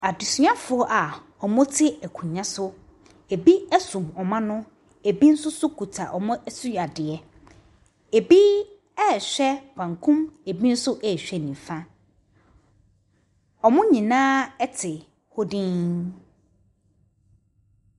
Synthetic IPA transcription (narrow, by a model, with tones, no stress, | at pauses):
a˨di˨si˨˦ã˦fʊ˨ɔ˦ʔa˨ | ɔ˨mʊ̃˦tʰɪ˦æ˨kʰũ˨ɲã˦sʊ˦ | e˨bi˦ɛ˦sũ˨mɔ˨mã˦nʊ̃˦ | e˨bi˦n̩˦sʊ˦sʊ˦kʰu˨tʰa˨ʔɔ˨mʊ̃˦su˦˨a˨dɪ˨ɛ˦ | e˨bi˦ | ɛ˦˨ɕᶣɛ˦pʰã˨ŋkʰũ˦me˨bi˦n̩˦sʊ˦ʔɛ˦˨ɕᶣɛ˦˨nĩ˨fã˦ | ɔ˨mʊ̃˦ɲĩ˨nãː˦ɛ˦tʰɪ˨ | ho˦dĩ˦n